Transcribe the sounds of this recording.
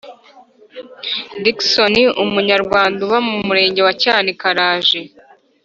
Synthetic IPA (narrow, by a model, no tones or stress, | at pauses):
diksoniʔumuɲaɾɡwaːnduβamumuɾe̞ːɲɟe̞wacaːnikaɾaːʒe̞